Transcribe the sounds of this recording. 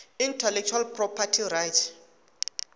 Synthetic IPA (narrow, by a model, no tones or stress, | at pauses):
intʰɛlɛk̚t͡ʃʰualprɔpʰatʰirajtʰ